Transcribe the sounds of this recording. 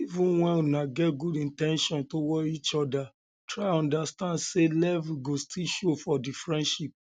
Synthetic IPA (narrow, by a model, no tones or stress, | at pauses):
ivũnwɛ̃nunaɡɛtɡudĩntɛ̃nʃɔ̃ntowɔit͡ʃɔda | tɹaɔ̃ndastãndselɛviɡostʰilʃofɔdifɹɛ̃ndʃip̚